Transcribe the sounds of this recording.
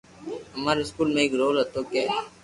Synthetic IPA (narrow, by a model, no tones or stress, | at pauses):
ɦəmaːɾeɪskuːlmẽeːkɾoːlɦɐt̪oːkɛː